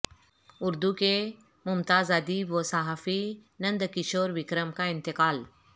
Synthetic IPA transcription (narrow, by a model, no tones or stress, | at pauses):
ʊɾd̪uke | mʊmt̪aːzɐd̪iːbʋəsaɦaːfinɐ̃nd̪kɪʃoːɾʋɪkɾəmkaɪ̃nt̪ɪkaːl